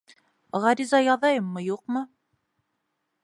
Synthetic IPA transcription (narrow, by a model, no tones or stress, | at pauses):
ʁɑɾizɑjɑðɑjɤmːɤjuqmɤ